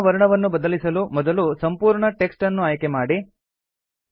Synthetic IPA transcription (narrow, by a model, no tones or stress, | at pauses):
ʋɐɾɐɳɐʋɐnːubɐd̪ɐlisɐlumɔd̪ɐlusɐmpuːɾɳɐʈeksʈɐnːuaːjkemaːɽi